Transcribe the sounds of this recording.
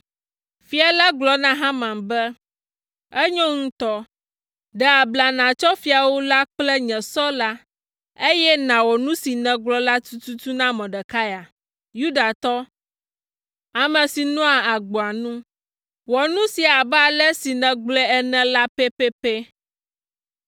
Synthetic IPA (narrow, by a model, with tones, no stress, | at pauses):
fi˦a˨la˦ɡ͡blɔ˨nã˦ɦã˦mã˨mbɛ˦ | ɛ˦ɲɔ̃˦ŋũ˦t̪ɔ˦ | ɖɛ˨a˨bla˨nã˨t͡ʃɔ˦fi˨a˨wo˦la˦k͡plɛ˦ɲɛ̃˨sɔ˦la˦ | e˦jɛ˦nã˨wɔ˨nũ˦si˨nɛ̃˨ɡ͡blɔ˦la˦t̪u˦t̪u˦t̪u˦nã˦mɔ̃˨ɖɛ˨ka˦ja˨ | ju˦da˨t̪ɔ˦ | a˨mɛ̃˨si˨nɔ̃˦a˨a˨ɡ͡bo˨a˨nũ˦ | wɔ˨nũ˦si˨a˨ba˦lɛ˦si˨nɛ̃˨ɡ͡blɛ˦ɛ˦nɛ̃˨la˦pɛ˦pɛ˦pɛ˦